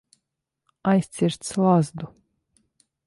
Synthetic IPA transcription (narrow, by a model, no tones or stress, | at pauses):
ajst̪sʲiɾt̪slˠazd̪u